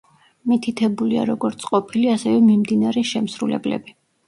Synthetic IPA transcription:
mit̪ʰit̪ʰɛbulia̰ɾɔɡɔɾt̪sʰʼqʼɔpʰiliasɛvɛmimd̪inaɾɛʃɛmsɾulɛ̰blɛ̰bi

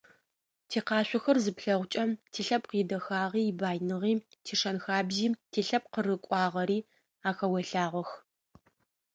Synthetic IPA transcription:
tʰiːqɑːɕʷʊxɐrzɨpɬɐʁʷʊt͡ʃʼɐmtʰiːɬɐpqiːdɐxaːʁiːbaːjnɨʁiː | tʰiːʂɐnxaːbziːtʰiːɬɐp̚qərɨkʷʼɑːʁɐɾiː | aːxɐwɐɬaːʁʷɐx

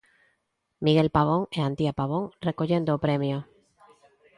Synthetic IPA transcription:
miɣe̞lpaβ̞o̞ŋeant̪iapaβo̞ŋre̞ko̞ʎe̞nd̪oːpɾe̞mjo

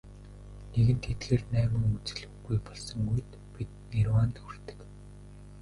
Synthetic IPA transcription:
neɣɘ̆nt̪ʰet̪ɣeːrnæːmɘ̆ŋut͡sɘ̆ɮɵ̆ujpɔɮsɞ̆ŋɡujt̪ | pit̪̚nirwaːnt̪ur̥t̪ɘ̥̆k

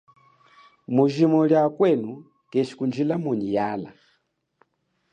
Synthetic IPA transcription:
muʒimɔljakwɛnu | kɛʃi̥kund͡ʒilamuɲijala̰

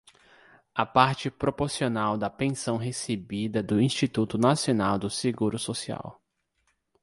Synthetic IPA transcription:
ɐpaɾt͡ʃɪpɾopoɾsionawd̪ɐpẽsɐ̃w̃ɦesebid̪ɐd̪ʊĩst͡ʃit̪ut̪ʊnasionawd̪ʊseɡuɾʊsosia̰w

